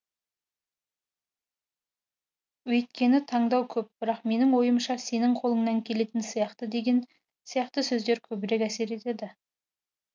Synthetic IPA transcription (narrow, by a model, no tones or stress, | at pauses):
wɵjt̪kʲe̞nɪt̪ʰɑɴd̪ɑwkʲʰɵp̚b̥ɪɾɑqme̞nɪŋwo̞jəmʃɑse̞nɪŋqʰo̞lˠəɴnɑŋkʲʰe̞le̞t̪ɪnsijɑqt̪əd̪e̞ɡʲen | sijɑqt̪əsɵzd̪e̞ɾkʲʰɵbɪɾe̞kæse̞ɾe̞t̪e̞d̪ɪ